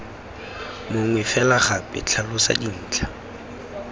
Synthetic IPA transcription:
mʊŋwɛfɛlaχapʼɪ̰t͡ɬʰalʊsa̰din̩ːt͡ɬʰḁ

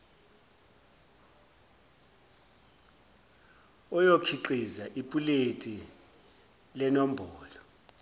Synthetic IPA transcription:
ɔjokʰiǃizaʔipʼuletʼi | lɛnɔm̩bʱɔːlɔ

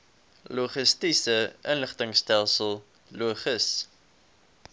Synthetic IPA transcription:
luχəstisəənləχtəŋstælˠsəlˠ | luəχəs

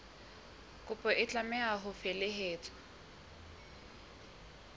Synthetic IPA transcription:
kʼʊpʼɔʔɪt͡ɬʼamɛaɦʊfelɪɦeːt͡sʰʼɔ̥

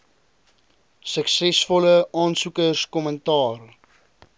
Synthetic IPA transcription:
səksɛsfɔləɑːnsukərskɔməntɑːr

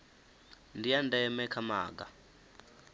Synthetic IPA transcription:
ndijandɛɛmɛkʰama̰ːɡ̬a

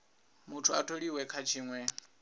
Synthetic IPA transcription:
mutʰuatʰoɺiwɛkʰat͡ʃʰiːŋwɛ

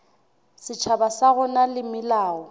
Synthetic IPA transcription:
sɪt͡ʃʰabasaɣʊnalɪmɪlaːɔ

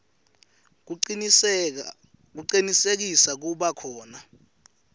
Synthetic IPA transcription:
k̬uǀinisek̬isak̬uɓakʰɔːna

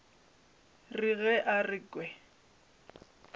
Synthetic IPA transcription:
riɣɛʔarɪːkʼwɛ

